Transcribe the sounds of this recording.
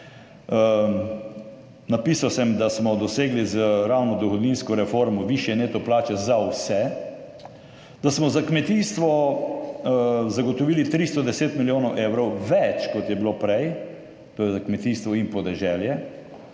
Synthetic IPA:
napiːsawsɛmd̪asmɔd̪ɔseːɡlizəɾawnɔd̪ɔxɔd̪ninskɔɾɛfoɾmɔʋiʃjɛneːt̪ɔplaːt͡ʃɛzawsɛ | d̪̥asmɔzakmɛt̪iːst̪ʋɔ | zaɡɔt̪ɔʋiːlit̪ɾist̪ɔd̪ɛseːt̪miljoːnɔwʔeːwɾɔwʋɛt͡ʃkɔt̪jɛbilopɾɛj | t̪ojɛzakmɛt̪iːst̪ʋɔinpɔd̪ɛʒɛljɛ

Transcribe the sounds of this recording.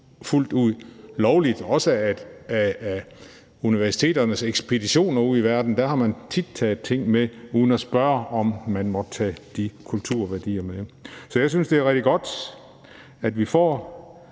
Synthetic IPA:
ful̰d̥uð̰ˠlɒʊlid̥ɒ̽səæ̥æ | uniʋæɐsi̥t͡sʰe̝̰ːdɐnəseɡ̥sb̥e̝d̥iɕo̝̰ːnɐuð̰ˠiʋæɐd̥n̩d̥æɐhɑ̈mænt͡sʰid̥̚t͡sʰɛːð̩ˠt͡sʰe̝ŋ̰meuːðˠn̩æsb̥ɶːɐɒ̽mmænmɒ̽d̥t͡sʰɛ̰ːd̥ikʰult͡sʰuɐ̰ʋæɐd̥ḭːɐmesɒ̽jɑ̈ɪs̬ynsd̥e̝æɐʁɛɡ̥̚d̥iɡ̥ɒ̽d̥ | æd̥ʋifɒ̰ː

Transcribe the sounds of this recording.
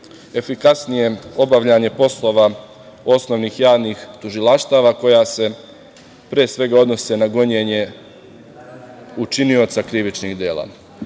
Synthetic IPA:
e̞fikasnije̞o̞baʋʎaɲe̞po̞slˠo̞ʋa | o̞sno̞ʋnixjaːʋnixt̪uʒilaʃt̪aːʋako̞jase̞ | pɾeːsʋe̞ɡao̞d̪nose̞naɡo̞ɲeɲe̞ | ut͡ʃinio̞t̪sakɾiʋit͡ʃniɣd̪eːlˠa̰ː

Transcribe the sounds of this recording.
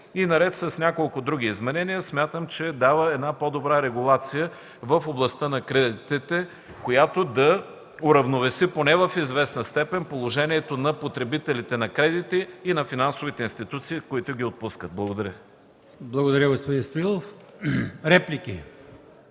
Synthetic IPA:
inɐɾɛt̪sɐsnʲakolˠkʊd̪ɾuɡ̟ʲiːzmɛnɛnijəsmʲjat̪əmt͡ʃɛd̪avəɛd̪napod̪obɾaɾɛɡʊlˠat̪sijə | vəfoblˠɐst̪ənɐkɾɛd̪it̪it̪ɛ | kojat̪od̪ɐ | ʊɾɐvnovɛsiponɛvəfizvɛsnəst̪ɛpɛnpolˠoʒɛniɛt̪onɐpot̪ɾɛbit̪ɛlit̪ɛnɐkɾɛd̪it̪iːnɐfinansovit̪ɛinst̪it̪ut̪siːkoit̪ʊɡ̟ʲiot̪̚puskət̪̚blˠɐɡod̪ɐɾʲjə | blˠɐɡod̪ɐɾʲjəɡospod̪inst̪oilˠof | ɾɛpliki

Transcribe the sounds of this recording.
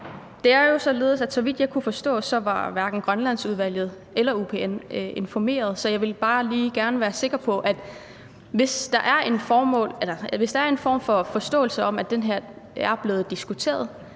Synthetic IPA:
d̥e̝æɐjo̝sɒ̽le̝ːð̞̩ˠsæd̥sɒ̽ʋid̥jɑ̈ɪkʰufɒ̽sd̥ɔ̰̽ːsɒ̽ʋɑ̈ʋæɐɡ̥n̩ɡ̥ʁɶnlæn̰suð̞ˠʋæl̰jð̞̩ˠ | elɐupʰe̝ene̝nfɒme̝̰ːɐð̞ˠsɒ̽jɑ̈ɪʋe̝lb̥ɑ̈ːliːɡ̥æɐnəʋæːɐse̝ɡ̥ɐpʰɒ̽ʔæd̥ | ʋe̝sd̥ɑ̈ʔæɐʔe̝nfɒːmɔ̰̽ːlelɐʋe̝sd̥ɑ̈æɐe̝nfɒ̰ːmfɒ̽fɒ̽sd̥ɔ̰̽ːl̩səɒ̽m̰æd̥enɦeɐ̰ | æɐb̥le̝ːð̩ˠd̥isɡ̥ut͡sʰe̝̰ːɐðˠ

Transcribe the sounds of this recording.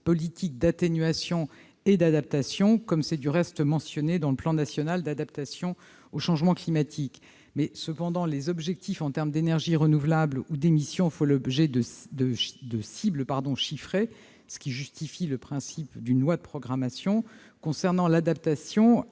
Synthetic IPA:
pɔlit̪ʰik̚d̪at̪enɥasjɔ̃ | ed̪ad̪ap̚t̪asjɔ̃kɔmsɛd̪yʁɛst̪mɑ̃sjɔned̪ɑ̃ləplɑ̃nasjɔnald̪ad̪apt̪asjɔ̃ | oʃɑ̃ʒmɑ̃klimat̪ʰik | mɛsəpɑ̃d̪ɑ̃lezɔbʒɛk̚t̪ʰifɑ̃t̪ɛʁmd̪enɛʁʒiʁənuvlablud̪emisjɔ̃folɔbʒɛd̪əd̪əd̪əsibləpaʁd̪ɔ̃ʃifχe | sə̥kʲiʒyst̪ifiləpχɛ̃sipd̪ynlwad̪əpχɔɡʁamasjɔ̃ | kɔ̃sɛʁnɑ̃lad̪ap̚t̪asjɔ̃

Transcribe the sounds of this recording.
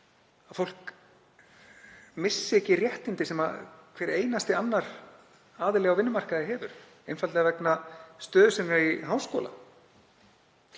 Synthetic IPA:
aðfowl̥k | mɪsːɪɛcːɪrjɛht̪ɪnt̪ɪsɛma̰kʰvɛːɾeːjnast̪ɪanːaɾ̥ | aːðɪlɛɣawvɪnːʏmar̥kaðɪɦɛːvʏɾ̥ | ejnfalt̪ɪavɛknast̪œːðʏsɛnːɾaɾiɦaːwskɔ̰ːla̰

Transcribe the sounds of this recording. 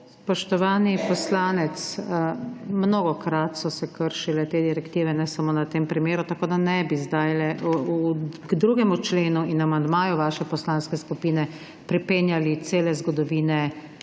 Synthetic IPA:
spɔʃt̪ɔʋaːnipɔslaːnɛt̪s | mnoːɡɔkɾat̪sɔsɛkəɾʃilɛt̪eːd̪iɾɛkt̪iːʋɛnɛsamonat̪eːmpɾimeːɾut̪akoːd̪anɛbizd̪ajlɛʔuɡd̪ɾuɡɛmut͡ʃleːnuinamand̪maːjuʋaːʃɛpɔslaːnskɛskupiːnɛ | pɾipeːnjalit̪seːlɛzɡɔd̪ɔʋiːnɛ

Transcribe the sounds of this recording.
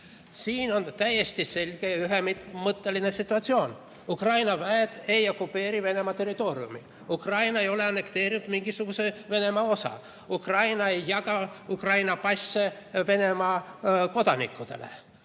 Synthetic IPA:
siːno̞nt̪æje̞st̪ise̞lʲɡ̥e̞jɑyɦemit̪mɤt̪ːe̞linesit̪ːˑuɑt̪sio̞ːn | ukrɑjnɑvæed̪̥e̞jo̞kupːe̞ːɾive̞ne̞mɑt̪e̞rit̪o̞ːɾiṵmḭ | ukrɑjnɑe̞jo̞le̞ɑne̞kt̪e̞ːɾinud̪miŋɡ̥isuɡ̥useve̞ne̞mɑo̞sɑ̰ | ukrɑjnɑe̞jːɑkɑukrɑjnɑpɑsːeve̞ne̞mɑko̞d̪ɑnḭkːud̪̥e̞̰lḛ

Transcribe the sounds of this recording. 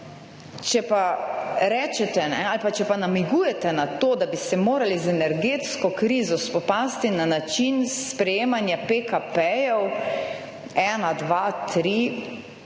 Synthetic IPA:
t͡ʃɛpaɾɛːt͡ʃɛt̪ɛnɛalpat͡ʃɛpanamiɡuːjɛt̪ɛnat̪oːd̪abist̪ɛmoːɾalizɛnɛɾɡet̪skɔkɾiːzɔspɔpaːst̪inanat͡ʃinspɾɛjeːmanjapekapɛjɔw | ɛːnad̪ʋat̪ɾi

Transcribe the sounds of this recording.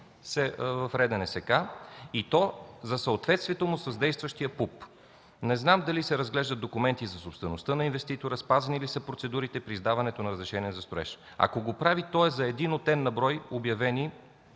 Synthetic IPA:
sɛvɐfɾɛd̪ɛnɛsɛkait̪ɔzɐsəot̪vɛt̪st̪viɛt̪omʊsəzd̪ɛjst̪vəʃt̪ijəpup | nɛznamd̪ɐlisɛɾɐzɡlɛʒd̪ət̪okumɛnt̪izɐsopst̪vɛnost̪ənɐinvɛst̪it̪oɾəspazɐnilisəpɾot̪sɛd̪uɾit̪ɛpɾiːzd̪avɐnɛt̪onɐɾəzɾɛʃɛniɛzɐst̪oɾɛ̰ʃ | ɐ̰koɡopɾavit̪ɔɛzɐɛd̪inot̪ɛnːɐbɾɔjobjɐvɛni

